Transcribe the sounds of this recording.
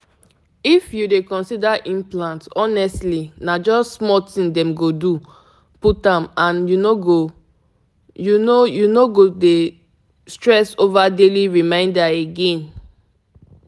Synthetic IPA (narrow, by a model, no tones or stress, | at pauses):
ifjudekɔ̃nsidaʔĩmplãntɔnɛstlinad͡ʒɔssmɔtĩndɛ̃mɡodu | putãmãnjunoɡo | junojunoɡode | stɹɛsovadeliɹimãɪ̃ndaeɡɛ̃n